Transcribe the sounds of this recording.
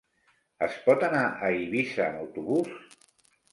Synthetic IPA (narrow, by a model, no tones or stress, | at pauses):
əspɔt̪anaʔəiβisəːnəwt̪uβus